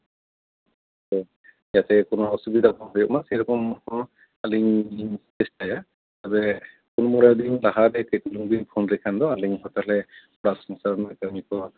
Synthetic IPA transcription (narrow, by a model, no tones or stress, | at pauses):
tɔ | jat̪ɛkɔnɔɔsubid̪apɔnɦɔjɔʔ̚masɛɾɔkɔmhɔ | aliŋtɛstaja | t̪abɛ | kɔnmɔɾajd̪inlaɦad̪ɛkəjkuluŋbinpʰɔnɾɛkʰand̪ɔaliŋɦɔt̪alɛ | ɔɽaʔsɔŋsaɾɔnɛkamikɔ